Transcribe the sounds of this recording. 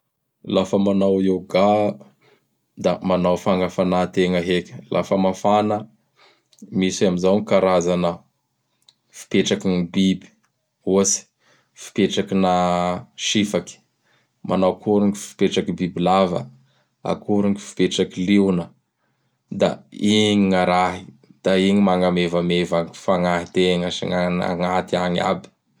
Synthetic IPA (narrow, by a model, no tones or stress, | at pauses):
lafəmanawewɡa | d̪amanawfaŋəfanat̪eŋəɦekʲə̥lʔa̰fəmafanə | misamizawŋikaɾazanə | fi̥peʈ͡ʂakinibibi̥ | usi̥ | fi̥peʈ͡ʂakinaʃifaki̥ | mʔanawkuɾuŋifi̥peʈ͡ʂakibibilavə̰ | a̰kuɾuŋifi̥peʈ͡ʂakiliwnə | d̪aiɲiŋaɾaɦi̥d̪̥aiɲimaŋamevamevaɲifaŋaɦit̪eŋəḭŋana̰ŋat̪iaɲa̰bi̥